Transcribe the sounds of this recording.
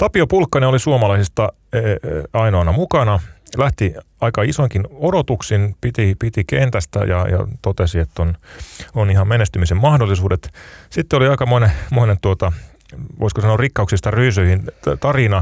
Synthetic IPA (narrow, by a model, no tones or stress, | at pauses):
t̪ɑpiopulkːɑneolisuomɑlɑisist̪ɑ | eɑinoːnɑmukɑnɑlæht̪i | ɑikɑisoiŋkinodot̪uksinpit̪ipit̪ikent̪æst̪æ̰jɑ̰jɑ̰t̪ot̪esiet̪ːononihɑmmenest̪ymisemmɑhdolːˑisuːdet̪sit̪ːeoliɑikɑmoinemoinet̪uot̪ɑ | ʋo̰iskosɑnoːrikːɑuksist̪ɑryːsøihint̪ɑrinɑ